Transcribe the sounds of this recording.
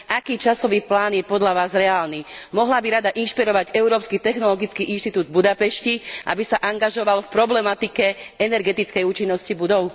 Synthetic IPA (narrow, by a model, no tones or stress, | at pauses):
ʔakiːt͡ʃasɔʋiːplaːnjɛpɔd̪laʋaːzɾɛaːlniːmɔɦlabiɾad̪aʔinʃpiɾɔʋaɟɛʊɾɔːpskit̪ɛxnɔlɔɡit͡skiʔinʃt̪it̪uːd̪̚bud̪apɛʃciʔa̰bisaʔaŋɡaʒɔʋalfpɾɔblɛmat̪ikɛɛnɛɾɡɛt̪it͡skɛjuːt͡ʃinːɔscibud̪ɔʊ